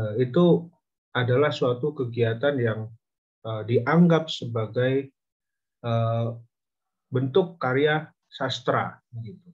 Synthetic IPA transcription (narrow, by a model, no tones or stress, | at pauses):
it̪u | adalahsuat̪ukəɡiat̪anjaŋ | ədiʔaŋɡap̚səbaɡaj | ə | bənt̪ʊkːaɾia | sast̪ɾa̰əɡit̪u